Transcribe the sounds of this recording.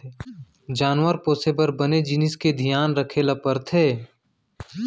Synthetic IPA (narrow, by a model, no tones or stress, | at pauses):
d͡ʒaːnʋəɾpoːsebəɾbəned͡ʒɪnɪsked̪ʱijaːnɾəkʰeːlapəɾt̪ʰeː